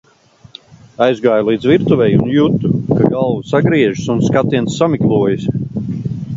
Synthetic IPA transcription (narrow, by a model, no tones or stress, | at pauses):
ajzɡaːjlˠiːd̪zviɾt̪uvɛjunjut̪ːukaɡalˠvusaɡɾiɛʒisunskat̪ːiɛnsːamiklˠuɔjis